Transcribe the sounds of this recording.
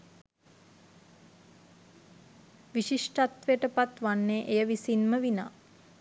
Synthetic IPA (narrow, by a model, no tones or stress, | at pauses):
ʋiʃiʂʈat̪ʋejəʈəpat̪ʋanːeʔejəʋisinməʋina̰ː